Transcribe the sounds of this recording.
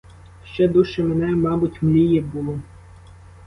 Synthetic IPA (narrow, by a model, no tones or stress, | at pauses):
ʃt͡ʃɛd̪uʃɛmenɛmɑbʊtʲmlʲijɛbʊlˠɔ